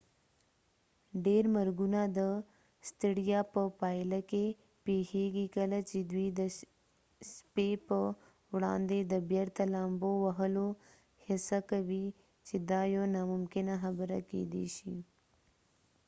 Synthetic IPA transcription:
ɖeːɾmɐɾɡunad̪ə | st̪iɽijapəpaːjlake | peheːɡikɐlat͡ʃed̪wid̪ə | spepə | wɽa̰ːnd̪ed̪əbjɐɾt̪ɐlaːmbowɐɦəlo | hɪsakɐwi | t͡ʃed̪aːjonamʊmkɪnaɦɐbəɾa̰kḛd̪ḛʃi

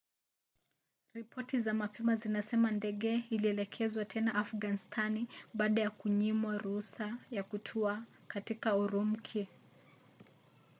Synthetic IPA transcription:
ɾipʰɔtizamapʰɛmazinasɛmandɛɠɛiliɛlɛkʰɛzwatʰɛnaʔafɡanistʰaniɓaːɗajakuɲimwaɾuhusajakutʰua | katikauɾum̩kʰi

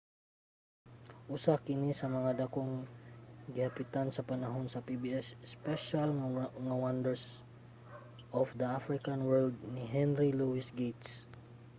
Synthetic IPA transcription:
ʔʊsakɪnisɐmɐŋad̪ɐkoŋ | ɡɪhɐpɪt̪ansɐpɐnɐɦo̞nsɐpibiʔɛsspɛʃalŋawand̪ɛɹs | ʔɔfd̪ɐafɾɪkanwɛɹld̪̚nɪɦɛnɾiluwɪsɡejt̪s

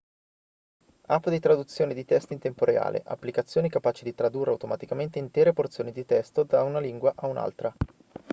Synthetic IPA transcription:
apːd̪it̪ɾad̪ut̪sːjoːned̪it̪ɛst̪oint̪empoɾea̰ːlʔḛʔa̰pːlikat̪sːjoːnikapaːt͡ʃid̪it̪ɾad̪urːeawt̪omat̪ikament̪eint̪ɛːɾeport̪sjoːnid̪it̪ɛst̪od̪aunaliŋɡwaʔauna̰lt̪ɾa

